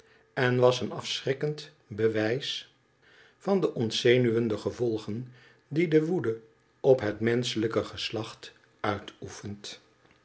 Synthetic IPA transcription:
ɛnʋɑsənɑfsrɪkənt | bəʋɛjs | fɑndəʔɔntsejnyʋəndəχəvɔlˠχən | didəʋudə | ʔɔpɦətmɛnsələkəχəslɑχt | œɥtufənt

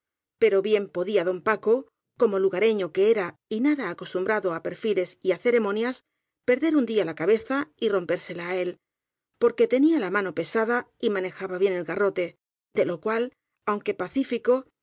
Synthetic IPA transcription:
pe̞ɾo̞βje̞mpo̞ðiaðo̞mpako̞ | ko̞mo̞luɣaɾe̞ɲo̞ke̞eɾa | inaðaːko̞st̪umbɾaðo̞ape̞ɾfile̞siaθe̞ɾe̞mõ̞njas | pe̞ɾðe̞ɾund̪ialakaβe̞θairo̞mpe̞ɾse̞laːe̞l | po̞ɾke̞t̪e̞nialamãno̞pe̞saðaimãne̞xaβaβje̞ne̞lɣaro̞t̪e̞ | d̪e̞lo̞kwal | awŋke̞paθifiko̞

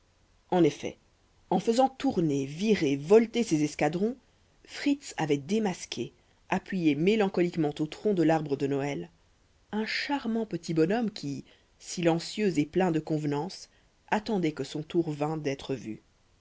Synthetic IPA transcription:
ɑ̃nefɛ̰ | ɑ̃fəzɑ̃t̪uʁneviʁevɔlt̪esezɛskad̪ʁɔ̃ | fχit̪sa̰vɛd̪emaskʲʰe | apɥijemelɑ̃kɔlikmɑ̃t̪ot̪χɔ̃d̪əlaʁbʁəd̪ənɔɛl | ɛ̃ʃaʁmɑ̃pət̪ibɔnɔmkʲʰi | silɑ̃sjøzeplɛ̃d̪əkɔ̃vnɑ̃s | at̪ɑ̃d̪ɛkəsɔ̃t̪uʁvɛ̃d̪ɛt̪χəvy̰

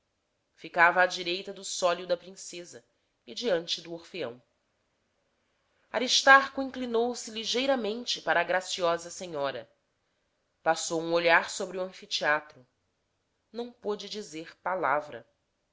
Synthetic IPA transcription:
fikavɐːd͡ʒiɾejt̪ɐd̪ʊsɔljʊd̪ɐpɾĩsezɐ | ɪd͡ʒiɐ̃nt͡ʃɪd̪ʊoχfeɐ̰̃w̃ | a̰ɾiʃt̪aɾkʊĩŋklinowsɪliʒejɾɐmẽnt͡ʃɪpaɾɐːɡɾasiɔzɐsẽɲɔɾɐ̰ | pasowũoʎaɾsobɾɪuɐ̃fit͡ʃiat̪ɾʊ | nɐ̃w̃pod͡ʒɪd͡ʒizeχpalavɾɐ̰

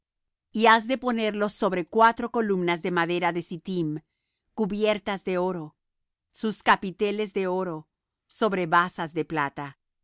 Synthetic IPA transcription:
iazðe̞po̞ne̞ɾlo̞so̞βɾe̞kwat̪ɾo̞ko̞lumnazðe̞maðe̞ɾaðe̞sit̪im | kuβjeɾt̪azðe̞o̞ɾo̞ | suskapit̪e̞le̞zðe̞o̞ɾo̞ | so̞βɾe̞βasazðeplat̪a

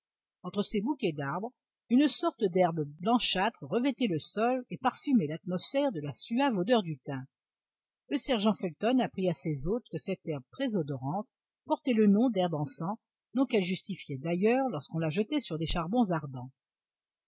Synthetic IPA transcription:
ɑ̃t̪χəsebukʲɛd̪aʁbʁ | ynsɔʁt̪əd̪ɛʁbblɑ̃ʃat̪χəʁəvɛt̪ɛləsɔlepaʁfymɛlat̪mɔsfɛʁd̪əlasyavod̪œʁd̪yt̪ɛ̃ | ləsɛʁʒɑ̃fɛlt̪ɔnapχiasezot̪χkəsɛt̪ɛʁb̚t̪χɛzɔd̪ɔʁɑ̃t̪ | pɔʁt̪ɛlənɔ̃d̪ɛʁbɑ̃sɑ̃ | d̪ɔ̃kɛlʒyst̪ifjɛd̪ajœʁlɔʁskɔ̃laʒət̪ɛsyʁd̪eʃaʁbɔ̃zaʁd̪ɑ̃

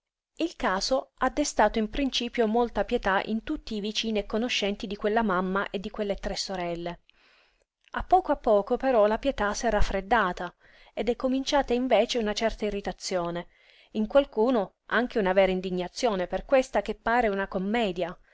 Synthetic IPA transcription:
ilkaːzoad̪ːest̪aːt̪oimpɾint͡ʃiːpjomolt̪apjet̪aʔḭnt̪ut̪ːiːvit͡ʃiːniekːonoʃːɛnt̪id̪ikwelːamamːaʔed̪ːikwelːet̪ɾɛsːoɾɛlːe | apːɔːkoapːɔːkopeɾɔlapjet̪asɛrafːɾed̪ːaːt̪a | ed̪ɛkːomint͡ʃaːt̪aiɱveːt͡ʃeunat͡ʃɛrt̪airːit̪at̪sːjoːne | iŋkwalkuːno | aŋk̟eunavɛːɾaind̪iɲːat̪sːjoːneperkwest̪akepːaːɾeunakomːɛːd̪ja

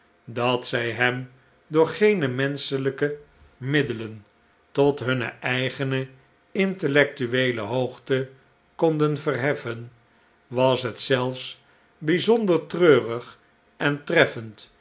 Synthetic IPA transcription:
dɑtsɛjɦɛm | dʊːɹχejnəmɛnsələkə | mɪdələn | tɔtɦɵnə̰ʔɛjχənə | ɪntəlɛk̚tyʋejlə̰ɦowχtə | kɔndənvərɦɛfən | ʋɑsɦətsɛlˠfs | bizɔndəɹtrøːrəχ | ʔɛntrɛfənt

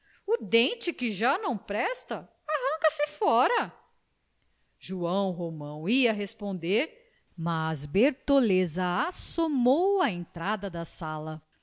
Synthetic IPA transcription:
ʊd̪ẽnt͡ʃɪkɪʒanɐ̃w̃pɾɛst̪ɐ | aɦɐ̃ŋkɐsɪfɔɾɐ | ʒuɐ̃w̃ɦomɐ̃w̃iɐɦespõnd̪eɾ | mazbeɾt̪olezɐasomowɐẽnt̪ɾad̪ɐd̪ɐsalɐ

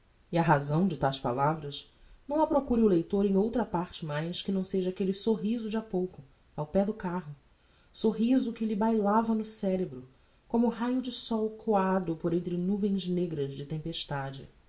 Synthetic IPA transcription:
iɐɦazɐ̃w̃d͡ʒɪt̪awspa̰lavɾɐʃ | nɐ̃w̃ɐpɾokuɾiʊlejt̪oɾẽj̃owt̪ɾɐpaɾt͡ʃɪmajskɪnɐ̃w̃seʒɐaːkelɪsoɦizʊd͡ʒiapowkʊ | awpɛd̪ʊkaɦʊ | soɦizʊkɪlɪbajlavɐnʊsɛɾebɾʊ | kõmʊɦajʊd͡ʒɪsɔwkʰoad̪ʊpoɾẽnt̪ɾɪnuvẽj̃zneɡɾɐzd͡ʒɪt̪ẽmpeʃt̪ad͡ʒɪ̰

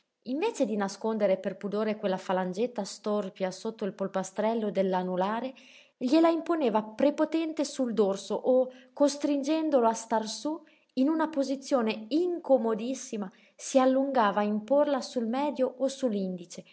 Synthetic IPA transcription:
iɱveːt͡ʃed̪inaskond̪eɾeperpud̪oːɾekwelːafaland͡ʒet̪ːast̪orpjasot̪ːoilpolpast̪ɾɛlːod̪elːanulaːɾe | ʎelaimponeːvapɾepot̪ɛnt̪esuld̪orsoʔokːost̪ɾind͡ʒɛnd̪oloast̪arsu | inunapozit̪sːjoːneiŋkomod̪isːima | sialːuŋɡaːvaːimporlasulmɛːd̪joʔosulːind̪it͡ʃe

